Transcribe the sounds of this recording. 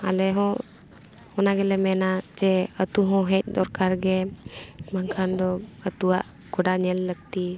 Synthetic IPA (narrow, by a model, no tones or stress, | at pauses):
a̰lɛɦɔ̃ | ɔnaɡɛlɛmɛnad͡ʒɛət̪uɦɔ̃ɦɛc̪̚ˀd̪ɔɾkaɾɡɛ | maŋkʰand̪ɔət̪uaʔ | ɡ̥ɔɖaɲɛlːəɡ̚t̪i